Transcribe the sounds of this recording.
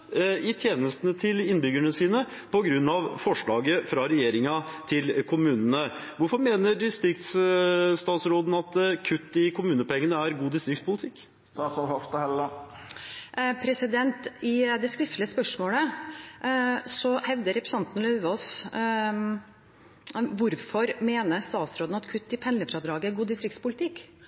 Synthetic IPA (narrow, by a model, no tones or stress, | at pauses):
ɪt̪ʰjeːnəst̪nət̪ʰɪlɪnbʏɡæɳəsiːnə | pʰɔɡɾʉnːɑʋfɔʂɭɑːɡəfɾɑɾɛjeːɾɪŋɑt̪ʰɪlkʰʊmʉːnənəʋʊɾfɔɾmeːnəɾɖ̪ɪst̪ɾɪkt̪sst̪ɑːt̪sɾoːd̪n̩ɑt̪kʰʉt̪ːɪkʰʊmʉːnəpɛŋːənəæɾɡuːd̪ɪst̪ɾɪkt̪spʊlɪt̪ʰɪk̪ː | ɑsɔhɑft̪əhɛlːə | pʰɾɛsɪd̪ɛnt̪ɪd̪ɛskɾɪft̪lɪəspœʂmoːlə | sɔhɛʋd̪əɾɛpɾɛsɑnt̪n̩lœʉʋɔs | ʋʊɾfɔɾmeːnəst̪ɑːt̪sɾoːd̪n̩ɑt̪kʰʉt̪ːɪpʰɛnləfɾɑd̪ɾɑːɡəæɾɡuːd̪ɪst̪ɾɪkt̪spʊlɪt̪ʰɪkː